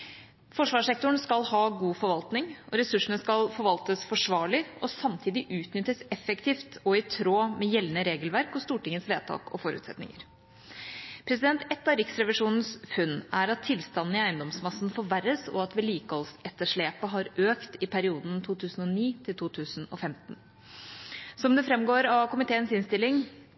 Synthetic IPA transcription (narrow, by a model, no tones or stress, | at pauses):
fɔʂʋɑːʂɛk̚t̪ɔɳskɑlhɑːɡuːfɔɾʋɑlt̪nɪŋʔɔɾɛsʉʂəɳəskɑlfɔɾʋɑlt̪əsfɔʂʋɑːɭɪɔsɑmt̪ʰiːd̪ɪʔʉːt̪nʏt̪ːəsɛfɛkt̪ʰiːft̪ɔɪt̪ʰɾoːmɛjɛlːnəɾeːɡəlʋæɾkɔst̪uːʈɪŋːəsʋeːt̪ʰɑ̰ːkɔ̰fɔɾʉ̰ːt̪sɛ̰t̪nɪ̰ŋə̰ɾ | pʰɾɛsɪd̪ɛnt̪ɛt̪ːɑɾɪksɾɛʋɪʂuːnn̩sfʉnːæɾɑt̪ʰːɪlst̪ɑnn̩ɪæɪənd̪ɔmsmɑsnfɔɾʋæɾəsɔ̰ɑt̪ʋɛliːkəhɔlsɛt̪ːəʂɭeːpəɦɑɾʔøːkt̪ɪpʰæɾɪuːd̪nt̪ʰuːt̪ʰʉːsn̩ɔniːt̪ʰɪlt̪ʰuːt̪ʰʉːsn̩ɔ̰fɛmt̪n | sɔmd̪ɛfɾɛmɡoːɾɑʋkʊmɪt̪ʰeːənsɪnst̪ɪlːɪŋ